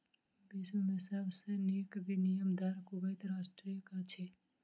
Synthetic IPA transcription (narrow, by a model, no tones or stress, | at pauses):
bɪsmemɪsabseneːkbʱinijəmd̪ʱaːɾkubeɪt̪ɾaːʃʈɾijəkat͡ʃʰe